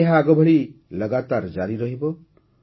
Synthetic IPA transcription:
eɦãaɡʌbʱʌɭilʌɡat̪ard͡zaɾiɾʌɦibo

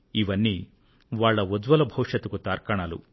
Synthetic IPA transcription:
iʋɐnːi | ʋaːɭːɐod̪ʋɐlɐbʱɐwʂɐt̪ukut̪aːɾkɐɳaːlṵ

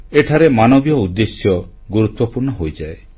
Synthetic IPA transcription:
eʈʰaɾemanɔbjɔud̪ːesjɔ | ɡuɾut̪wɔpuɾɳɔɦojd͡ʒae

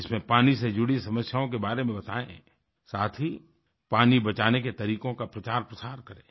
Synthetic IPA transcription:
ɪsmẽpaːnised͡ʒʊɽisɐməsjaːõkebaːɾemẽbɐt̪a̰ːḛ̃ | saːt̪ʰɦi | paːnibɐt͡ʃaːneket̪ɐɾiːkõkapɾɐt͡ʃaːɾpɾɐsaːɾkɐɾḛ̃ː

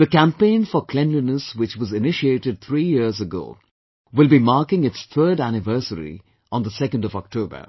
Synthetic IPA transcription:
ðəkæ̃mpẽɪ̃nfɔkʰlɛ̃nlinəswɪt͡ʃwʌzɪnɪʃieːʈɨɖ̚t̪ʰɾiːjɪɾzəɡo̰ː | wɪlˠbimaːkɪ̃ŋɪtst̪ʰɜːɖænɪvɜ˞səɾḭ | ə̃nd̪əsɛkə̃ndɔvɔk̚tʰoːbə̰˞

